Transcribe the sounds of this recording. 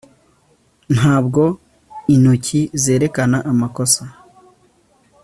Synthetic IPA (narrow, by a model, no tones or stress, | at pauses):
n̥haːbɡo̞ | in̥ucize̞ːɾe̞kanaʔamako̞sa